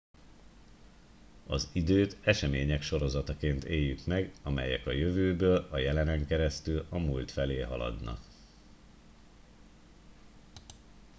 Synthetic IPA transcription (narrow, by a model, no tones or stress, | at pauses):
ɒzid̪øːt̪ɛʃɛmeːɲɛkʃo̞ɾo̞zɒt̪ɒkeːnt̪eːjːykmɛɡɒmɛ̰jɛ̰kɒjø̞vøːbøːlɒjɛlɛnɛŋkɛɾɛst̪ylɒmult̪fɛleːɦɒlɒ̰d̪nɒ̰k